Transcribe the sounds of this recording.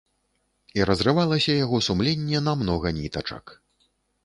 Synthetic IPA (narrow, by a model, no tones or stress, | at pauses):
iɾɐzrɨvalˠɐsʲɐjaɣɔsumlʲenʲːɛnamnɔɣɐnʲit̪ɐt͡ʂɐ̰k